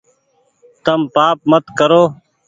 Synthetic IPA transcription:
t̪əmpaːp̚mət̪kəɾoː

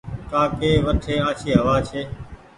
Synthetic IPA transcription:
kaːkeːʋəʈʰeːaːt͡ʃʰiːɦəʋaːt͡ʃʰeː

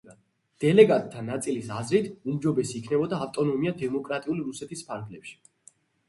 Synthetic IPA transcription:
d̪̥ɛlɛɡat̪ʼt̪ʰːanat̪sʼilisazɾit̪ʰumd͡ʒɔbɛsiːkʰnɛbɔd̪aːft̪ʼɔnɔmiad̪ɛmɔkʼɾat̪ʼiuliɾusɛt̪ʰispʰaɾɡlɛpʃi̥

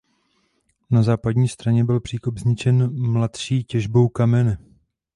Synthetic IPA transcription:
nazaːpadɲiːst̪ɾaɲɛbɪlpr̥iːkobzɲɪt͡ʃɛnmlat̪ʃiːcɛʒbo̞wkamɛnɛ

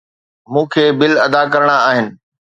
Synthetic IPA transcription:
mũːkʰeːbɪlɐd̪akɐɾɽ̃aaːɦɪnɪ̆

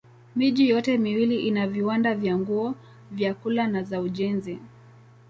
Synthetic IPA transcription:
miʄijɔtɛmiwiliʔinaviwandavjaŋɡuɔ | vjakulanazauʄɛnzi

